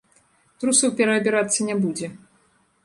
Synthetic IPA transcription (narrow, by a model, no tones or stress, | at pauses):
t̪ɾusɐwpʲɛɾɐːbʲɛɾat̪sːɐnʲɛbud͡zʲɛ